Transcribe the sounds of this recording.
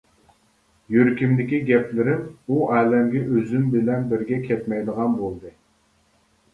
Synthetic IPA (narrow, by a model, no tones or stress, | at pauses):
jøɾkʲimd̪ɪkʲiɡʲɛpʰlɪɾɪnuʔæːlɛmɡʲɛʔøzymbɪlɛnbɪɾɡʲɛkʲʰɛt̪mɛjd̪əʁɑnbolˠd̪ɨ